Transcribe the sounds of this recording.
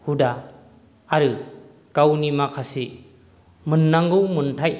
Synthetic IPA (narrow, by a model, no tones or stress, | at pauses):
hudaː | ɾɯ | kawnimakʰasi | mɯnːaŋɡɯwmɯntʰaj